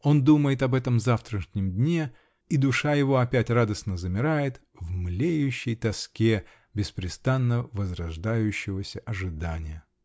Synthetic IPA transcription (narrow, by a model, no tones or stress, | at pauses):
o̞nd̪uməjɪt̪ɐbɛt̪əmzaft̪ɾəʂnʲɪmdʲnʲe | id̪ʊʂajɪvo̞ɐpʲætʲrad̪əsnəzəmʲɪɾajɪt̪ | vmlʲejʉɕːɪjt̪ɐskʲe | bʲɪspɾʲɪst̪anːəvəzɾɐʐd̪ajʉɕːɪvəsʲəʔɐʐɨd̪anʲɪjə